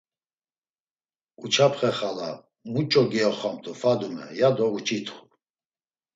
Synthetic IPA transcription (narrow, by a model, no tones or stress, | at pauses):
ut͡ʃʰapʰχɛχala | mut͡ʃʼɔɡɛɔχamt̪ʰʼɔfad̪umɛ̰jad̪ɔut͡ʃʰit̪ʰχu̥